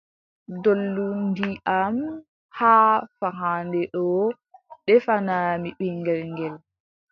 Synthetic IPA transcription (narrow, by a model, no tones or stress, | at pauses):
dolːundiʔam | haːfaɦandɛɗɔ | ɗɛfanamiɓiŋɡɛlŋɡɛl